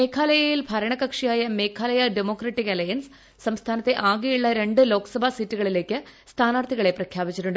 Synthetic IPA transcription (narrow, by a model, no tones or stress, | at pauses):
me̞ːkʰaːlɐjɐjilbʱɐɾɐɳɐkɐkʂijaːjɐme̞ːkʰaːlɐjɐɖemo̞ːkrɐʈːikɐlɐjɐnsː | ɐmst̪ʰaːnɐt̪ːe̞ʔaːɡijuɭːɐɾe̞ɳɖɨlo̞ːkɐ̥sɐbʱaːsitːuɣɐɭile̞ːkːɨst̪ʰaːnaːrt̪ʰiɣɐɭe̞prɐkʰjaːbit͡ɕːiʈːuɳɖɨ